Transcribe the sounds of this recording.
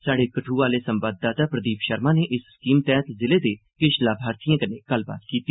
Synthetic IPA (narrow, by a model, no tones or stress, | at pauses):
saːɖeːkəʈʰuːʋaːleːsəmbaːd̪̚d̪aːt̪aːpɾəd̪iːpʃəɾmãːneːʔɪsskiːmt̪ɛːt̪zɪleːd̪eː | kɪʃlaːbʱaːɾt̪ijãːkəneːɡ̥əlba̰ːt̪kiːt̪iː